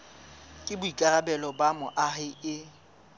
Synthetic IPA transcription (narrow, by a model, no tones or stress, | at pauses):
kʼɪbʊikʼarabɛlɔbamʊʔaɦɪɪ